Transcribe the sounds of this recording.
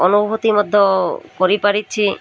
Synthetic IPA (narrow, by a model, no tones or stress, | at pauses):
ɔnubʱot̪imɔd̪ʱːokoɾipaɽitːɕʰi